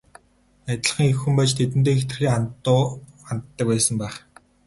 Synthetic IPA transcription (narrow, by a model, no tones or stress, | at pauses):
at̪̆ʲɮə̆χĭŋexxumpat͡ɕt̪ʰet̪̬ɘ̆nt̪eːext̪ɘ̆rxeːant̪ːʊːant̪ːə̆k̚pæːsə̆mpæːχ